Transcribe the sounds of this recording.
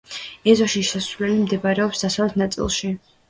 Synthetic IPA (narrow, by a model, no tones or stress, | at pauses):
ɛzɔʃiʃɛsɾulɛlimd̪ɛbaɾɛɔpsd̪̥asavlɛt̪ʰnat̪sʼḭlˠʃi